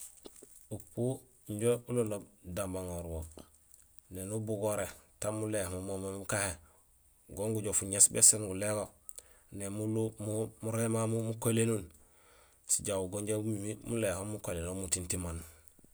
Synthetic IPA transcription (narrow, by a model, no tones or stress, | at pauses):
upu | ɲɟoulonobdambaŋoɾwo | nenubuɡoɾetamulehmumomeukahe | ɡoŋɡuɟofuɲesbesenɡuleɡo | nemulumumuɾemamumukolenun | siɟawuɡoɲɟoɡuimimulehomukolenomutintiman